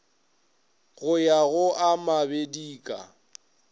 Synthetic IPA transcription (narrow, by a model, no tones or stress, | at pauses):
ɣʊjaɣʊʔamabediːkʼa̰